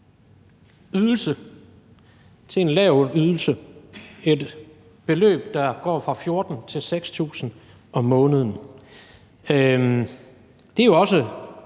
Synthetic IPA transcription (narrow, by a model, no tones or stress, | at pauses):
yð̞ˠl̩sə | t͡sʰe̝enlɛʊyðˠl̩sə | e̝d̥ | b̥e̝lø̰ːb̥d̥ɑ̈ɡ̥ɒ̰ːfʁɑ̈fjo̝ɐd̥n̩t͡sʰe̝lseɡ̥st͡sʰṵːsn̩ | ʔɒ̽mɔ̽ːnəð̞ˠn̩ | d̥ejo̝ɒ̽sə